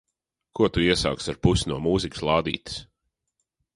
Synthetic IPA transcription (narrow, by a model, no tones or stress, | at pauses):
kuɔt̪uiɛsa̰ːksaɾpusʲnuɔmuːzikslˠɑːd̪ḭːt̪i̥s